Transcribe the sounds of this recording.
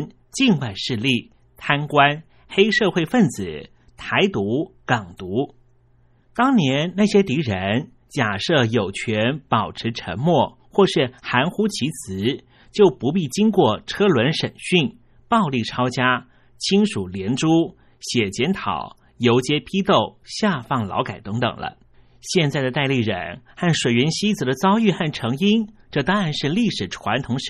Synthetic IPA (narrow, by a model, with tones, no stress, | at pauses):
n | t͡ɕi˥˧nwa˥˧ɪʂɻ̩˥˧li˥˩ | t̪ʰa˥nkwa˥n | xe˥ɪʂɤ˥˧xwe˥˧ɪfə˥˩nt͡sɹ̩˨˩˦ | t̪ʰa˧˥ɪt̪u˧˥kɑ˨˩ŋt̪u˧˥ | t̪ɑ˥ŋnjɛ˧˥nna˥˩ɕjɛ˥t̪i˧˥ɻə˧˥n | t͡ɕja˨˩ʂɤ˥˩jo˨˩ʊt͡ɕʰɥɛ˧˥npɑ˨˩ʊʈ͡ʂʰɻ̩˧˥ʈ͡ʂʰə̰˧˥nmwɔ˥˩ | xwɔ˥˧ʂɻ̩˥˩xa˧˥nxu˥t͡ɕʰi˧˥t͡sʰɹ̩˧˥ | t͡ɕjo˥˩ʊpu˧˥pi˥˩t͡ɕi˥ŋkwɔ˥˩ʈ͡ʂʰɤ˥lwə˧˥nʂə˨˩nɕy˥˩n | pɑ˥˧ʊli˥˩ʈ͡ʂʰɑ˥ʊt͡ɕja˥ | t͡ɕʰi˥nʂu˨˩ljɛ˧˥nʈ͡ʂu˥ | ɕjɛ˨˩t͡ɕjɛ˧˥nt̪ʰɑ̰˨˩˦ʊ | jo˧˥ʊt͡ɕjɛ˥pʰi˥t̪o˥˩ʊɕja˥˧fɑ˥˩ŋlɑ̰˧˥ʊka˨˩ɪt̪ɤ˧˥ŋt̪ɤ̰˨˩ŋlə̰˦ | ɕjɛ˥˧nt͡sa˥˩ɪdə˩t̪a˥˧ɪli˥˩ɻə̰˨˩nxa˥˩nʂwe˨˩ɪɥɛ˧˥nɕi˥t͡sɹ̩˨˩d̪ə˦t͡sɑ˥ʊy˥˧xa˥˩nʈ͡ʂʰɤ˧˥ŋi˥nʈ͡ʂɤ˥˧˩t̪ɑ˥ŋɻa˧nʂɻ̩˥˧li˥˩ʂɻ̩˨˩ʈ͡ʂʰwa˧˥nt̪ʰʊ˧˥ŋʂ